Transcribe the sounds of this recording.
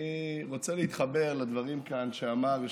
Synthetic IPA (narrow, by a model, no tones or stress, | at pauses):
iʁot͡selehit̪χabe̞ʁlad̪vaʁimkanʃeamaʁ